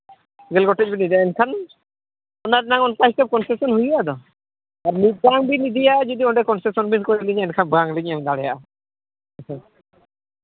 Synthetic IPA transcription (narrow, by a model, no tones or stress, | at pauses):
ɡɛlɡɔʈebinid̪ɛɛnkʰan | ɔnaɾnaŋɔnkaskɛp̚kɔnsesɔnɦujad̪ɔ | aɾniɡaŋbinid̪ijad͡ʒɔd̪iɔɳɖɛkɔnsesɔnbinkɔɾiliɲɛnkʰanbaŋliɲamd̪aɽɛjaʔ